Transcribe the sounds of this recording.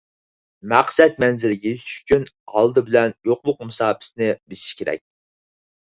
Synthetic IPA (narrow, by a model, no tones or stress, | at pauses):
mæqsɛt̪mɛnzɪɾɡʲɛyʃt͡ʃʲyn | hɑ̰lˠd̪ɨbɪlɛnjoqlˠʊq̚musɑːpʰɪ̥snɪbɪsi̥ʃkʲʰeɾɛ̰k̚ʲ